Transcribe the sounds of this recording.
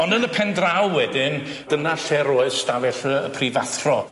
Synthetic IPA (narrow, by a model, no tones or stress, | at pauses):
ɔndənəpʰɛndrawwɛdɪn | d̥ənaɬɛɾoɨðstavɛɬəəpʰrivaθrɔ